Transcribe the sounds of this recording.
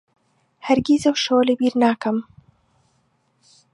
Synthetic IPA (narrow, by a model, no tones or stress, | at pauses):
hɐɾɡizɐwʃowlebiːɾnaːkɐm